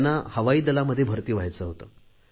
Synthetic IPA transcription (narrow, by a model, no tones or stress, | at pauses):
nːahəʋaiːd̪əlaməd̪ʱːjebʱəɾt̪iːʋajt͡səɦot̪ə